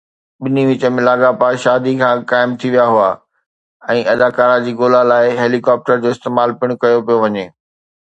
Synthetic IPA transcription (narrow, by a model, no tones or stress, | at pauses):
ɓɪniʋɪt͡ɕə̆mẽlaːɠapaʃaːd̪ʱikʰãːkaːɪmt̪ʰiʋijaɦʊaː | ɛ̃ːʔɐd̪aːkaːɾad͡ʑiːɡoːlalaːɪɦeːlikɔːp̚ʈəɾd͡ʑoːɪst̪eːmaːlpɪɽ̃kɐjopijoʋɐɲeː